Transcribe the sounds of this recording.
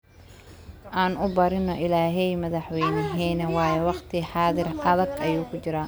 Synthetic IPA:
ʔaːnʊbɐɾɪnːɔʔɪlaːɦɛjmɐðɐħwɛjnɪɦɛːnɐwɑːjɛwɑqt̪ʰɪħɑːðɪrʔɐðɐɡɐjuːkʰʊt͡ʃɪɾaː

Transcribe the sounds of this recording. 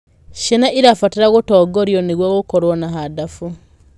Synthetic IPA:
ʃenaʔiɾafatiɾaɣutɔːɡoɾjoniɣwaɣukoɾwɔnaɦadafu

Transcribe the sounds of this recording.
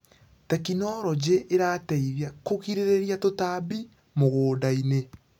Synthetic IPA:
tɛkinɔɾɔd͡ʑeʔeɾatɛiðjakokiɾeɾeɾiatotaːbi | moɣoːdaine

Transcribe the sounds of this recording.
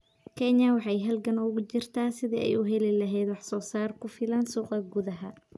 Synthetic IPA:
kʰɛnjɐwɑħɑjɦɐlɡɐnʊɣʊt͡ʃɪrt̪ʰaːsɪðiʔɛ̰jʊɦɛlɪlɐɦɛjd̪wɑħsɔːsaːrkʰʊfɪlɐnsuːqɐɡʊðɐɦɐ

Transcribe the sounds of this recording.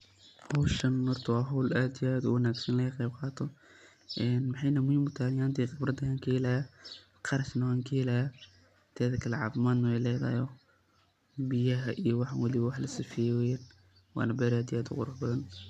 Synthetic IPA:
hɔwʃɐnːɔrt̪ʰɐwɑːɦɔwlaːd̪ijaːd̪ṵwɐnaːɡsɐnlɐɣɐqejbqɑːt̪ʰɔ | ʔɛːnmɑħɑjnɐmʊhɪmʊt̪ʰaːnjaːnt̪ʰiːqɪbɾɐd̪ɐaːŋkʰɐjɛlaja | qɑɾɐʃnɐwaːŋkʰɐjɛlaja | t̪ʰɛːðɐkʰɐlɛʕɑ̰ːfɪmaːd̪nɐwɛjlɛːða̰ːjɔ | bɪjɐɦɐʔijɔwɑħwɐlɪβɐwɑħlɐsifijɛwɛjɛn | wɑ̰ːnɐbɛːɾaːd̪iaːd̪ʊ̰qʊɾʊħbɐðɐn

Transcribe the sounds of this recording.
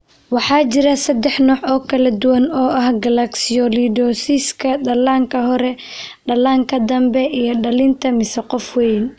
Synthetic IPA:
wɑħɑːt͡ʃɪɾɐsɐd̪ɛħnɔːʕɔːkʰɐlɐd̪ʊwɐnɔːʔɐhɡɐlɐksɪɔlidɔsiskʰɐɖɐlaːŋkʰɐɦɔɾɛɖɐlaːŋkʰɐd̪ɐmbɛʔijɞɖɐlɪnt̪ʰɐmɪsɛqɔfwɛjn

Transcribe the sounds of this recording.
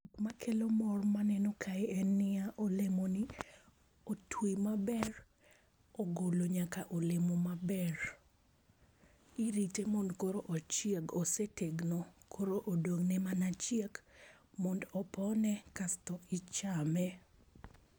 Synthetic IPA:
kmakʰelomɔrmanɛnokʰaɪɛnːɪaʔolemonɪ | otʰwimabɛr | oɡoloɲakaʔolemomabɛr | iɾitemondkoɾoʔɔt͡ʃjeɡoseteɡnokʰoɾoʔodoŋnɛmanat͡ʃjekmɔndɔpɔnɛkastɔɪt͡ʃamɛ

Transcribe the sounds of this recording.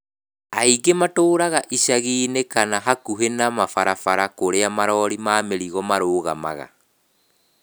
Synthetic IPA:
aiɡematoːɾaɣaʔiʃaɣiːnekanaɦakuɦenamafaɾafaɾakoɾeamaɾɔːɾimaːmeɾiɣɔmaɾoːɣama̰ɣa̰

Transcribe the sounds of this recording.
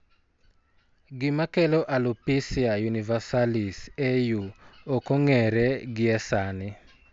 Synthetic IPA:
ɡɪmakɛlɔʔalupisiajunivasalisejuokoŋɛɾɛɡɪɛsanɪ

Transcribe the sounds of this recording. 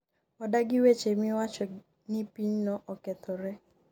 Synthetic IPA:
ɔdaɡɪwet͡ʃemĩwat͡ʃɔ | nipinnɔ̃ʔɔkɛt̪ʰɔɾɛ

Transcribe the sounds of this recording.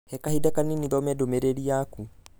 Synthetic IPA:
hɛkahidakaniniðɔmɛdomeɾeɾiaku

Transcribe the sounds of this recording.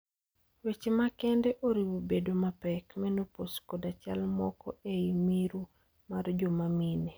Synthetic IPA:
wet͡ʃemakɛndɛʔoɾiwobedomapɛkmɛnoposkɔdat͡ʃa̰lmɔ̰kɔeimiɾu | mard͡ʒɔmamine

